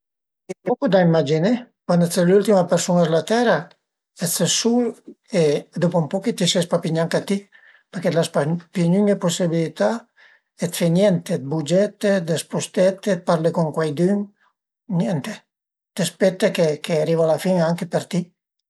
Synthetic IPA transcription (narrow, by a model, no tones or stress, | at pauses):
et̪ekud̪aimad͡ʒinekwand̪ɛselult̪imapeɾsunɛzlat̪ɛɾa | ɛt͡s̪esul | ed̪opoumpɔket̪isɛspapiɲaŋkat̪i | peɾked̪laspapiɲyŋeposibilit̪a | et̪fenjɛnt̪ed̪̚bud͡ʒɛt̪ːed̪espust̪ɛt̪ːet̪̚paɾlekuŋkwajd̪yŋ | njɛnt̪e | t̪espɛt̪ːekekeaɾivalafiŋaŋkepeɾt̪i